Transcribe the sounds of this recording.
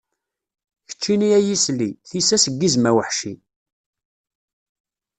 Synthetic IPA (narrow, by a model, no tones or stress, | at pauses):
çə̥t͡ʃːiniæjisliθisæsəɡːizmæwəħʃḭ